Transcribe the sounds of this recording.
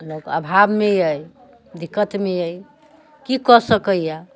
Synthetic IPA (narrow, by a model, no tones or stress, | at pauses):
lokə̰bʱabmejəj | d̪ikːət̪meəj | kikɔsəkəjja